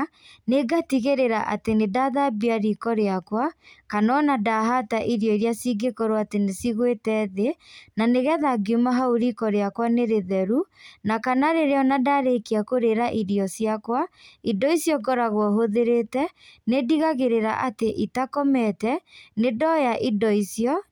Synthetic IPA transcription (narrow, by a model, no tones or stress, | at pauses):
neɡatiɣeɾeɾaʔa̰tenedaðabiaɾikɔɾeakwakanɔnadaɦataʔiɾijɔiɾiasiɡekɔɾoatenesiɣwetɛðenaneɣɛðaɡiumaɦaoɾikɔɾeakwaneɾeðɛɾunakanaɾeɾeɔnadaɾekiakoɾeɾaʔiɾiɔsjakwaidɔisjɔkɔɾaɣwɔɦoðeɾetɛnediɣaɣeɾeɾa̰ʔateʔitakɔmɛtɛnedɔjaʔidɔisjɔ